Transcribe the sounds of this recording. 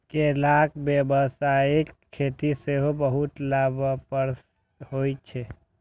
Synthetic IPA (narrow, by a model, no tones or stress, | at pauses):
kelakbjebəsaekʰːet̪iseɦobəɦut̪labapəɾ | ɦojt͡ʃʰe